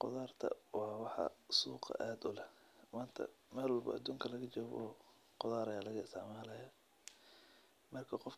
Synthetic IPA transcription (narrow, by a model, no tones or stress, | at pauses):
qʊðaːrt̪ʰɐ̰wɑːwɑħɑ̰suːqʰɐ̰ʔaːd̪ʊlɛ | maːnt̪ʰɐ̰mɛːlwɑlbɐ̰ʔɐd̪uːŋkʰɐlɐɣɐt͡ʃɔːβɔː | qʊðaːɾɐjaːlɐɣɐsa̰ːmɛːlɐjɐ | mɐrkʰɐqɔf